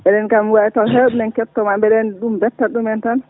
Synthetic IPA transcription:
ɓɛɗɛnkamwatawɦeɗunɛnkɛtːɔmambɛɗɛnɗumbɛtːaɗumɛntan

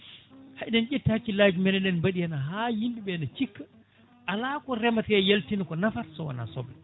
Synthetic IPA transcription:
haʔɗɛnʔetːihakːilaːd͡ʒumɛnɛɗɛnbaɗijanaɦajindiɓɛnat͡ʃikːa | ʔalakɔɾɛmatɛjeltinakɔnafaɾsɔwa̰na̰sɔ̰bːɛ

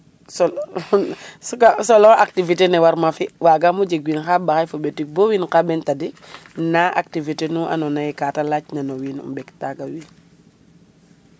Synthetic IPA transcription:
sɔ | sukasɔlɔaktivitenɛwaɾmafiwaɡamud͡ʒeɡwinxabaxajfobetik̚bowinkabɛntadinaʔa̰k̚tivitenuʔa̰nɔnajɛkaːtalacnanowiːnṵmbɛktaɡawin

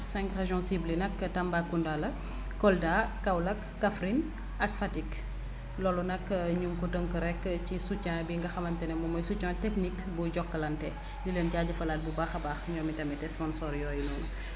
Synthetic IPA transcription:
sɛ̃ŋkreʒɔ̃siblinɐkːtɐmbakːundalɐ | kɔldakːawlɐkːafɾin | ʔɐkfatik | lɔːlunɐkɲuŋkutəŋkəɾɛkːcisut͡ʃːãbiŋɡɐxɐmɐntɛnɛmɔmɔjsut͡ʃːãtɛknikbuɟɔkːəlɐntɛ | liləntiaɟɐfɐlaːt̚bubaxɐbaːxɲɔːmitɐmɛtɛspɔ̃nsɔːɾjɔjunɔn

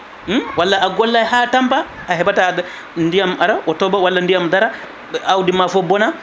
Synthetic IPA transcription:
walːaʔaɡɔlːajhatampaː | ɦɛbata | ndijamaɾaʔɔtɔbawalːandijamdaɾa | awdimafɔbɔna

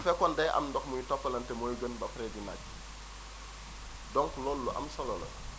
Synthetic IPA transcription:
fɛkɔndɐjʔɐ̰mndɔxmuɲtɔpːɐlɐntɛmɔːjɡənbɐfɾɛdina̰cː | dɔŋklɔːlːuʔɐ̰msɐlɔlɐ̰

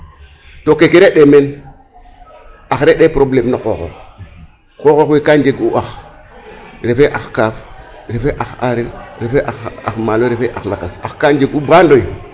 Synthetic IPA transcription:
tokekeɾeɗemen | axɾeɗepɾoblemnokoxo̰x | kokoxwikand͡ʒeɡuʔax | ɾefeʔaxkafɾefeʔaxa̰ɾiɾɾefeʔaxa̰xmaloɾefeʔaxlakasaxkand͡ʒeɡubandoj

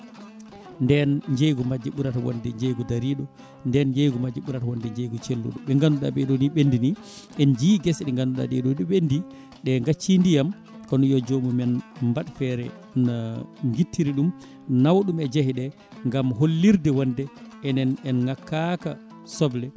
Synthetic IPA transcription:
ndɛnɲd͡ʒejɡɔmad͡ʒːɛɓuɾatawɔ̰ndɛɲd͡ʒejɡɔdaɾiɗɔ | ndɛnɲd͡ʒejɡɔmad͡ʒɛɓuɾatawɔndɛɲd͡ʒejɡɔt͡ʃɛlːo̰ɗɔɓɛŋɡanːuɗa̰ɓɛɗɔniɓendini | ɛnd͡ʒiɡɛsɗŋɡanuɗa̰ɗɛ̰ɗɔɗiɓendi | ɗɛŋɡat͡ʃːindijam | kɔnɔjɔd͡ʒomumɛnmbaɗfɛɾɛ̰ | naŋɡitːiɾiɗum | nawɗumɛd͡ʒahiɗɛ | ŋɡamɦolːiɾdɛwandɛɛnɛnɛnŋakːaka | sɔblɛ

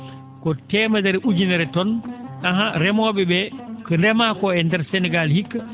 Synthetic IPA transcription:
kɔtɛːmadɛɾɛʔud͡ʒinɛɾɛtɔnʔaɦaɾɛmɔːɓɛbɛkɔɾɛmakɔɛndɛɾsɛnɛɡalhikːa

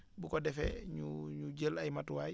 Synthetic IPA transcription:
bukɔdɛfɛ̰ɲuɲuɟəlajmatuwaj

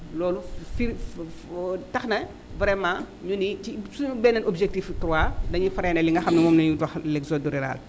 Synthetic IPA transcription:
lɔːlufi | tɐxnɐ | vɾɛmãː | ɲunitisuɲubɛːnɐnʔobʒek̚tiftɾuadɐɲufɐɾɛnɛliŋɡɐxɐmnɐmɔmnɐɲudwaxlekzoduɾiɾa̰l

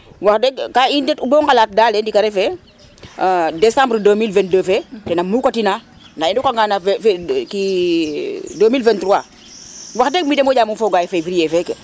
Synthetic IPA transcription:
waxdɛɡkaindɛtuboŋkalaːt̚daːlendikaɾefe | desãmbɾdoːmilvɛ̃nt̚dəːfetɛnamukatina | naindukaŋɡanafki | doːmilvɛ̃ntɾuwa | waxdek̚midemoɟaːmufoːɡaːjfeviɾijɛːfɛke

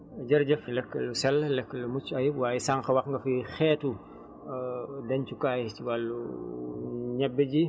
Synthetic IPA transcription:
ɟɐɾɟɐflɛkːəlusɛllɛkːəlumut͡ʃːɐjiwaːjisaŋxɐwɐxŋɡɐfixɛːtu | dɐnt͡ʃukaːjciwalːṵ | ɲɛbːəɟi

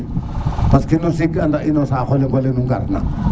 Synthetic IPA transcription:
paskinosikandaʔinosaxoleŋɡolenuŋɡa̰ɾna̰

